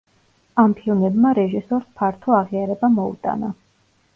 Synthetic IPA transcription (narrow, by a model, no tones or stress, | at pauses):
ampʰilˠnɛbmaɾɛʒisɔɾspʰaɾt̪ʰɔaʁiaɾɛbamɔṵt̪ʼa̰na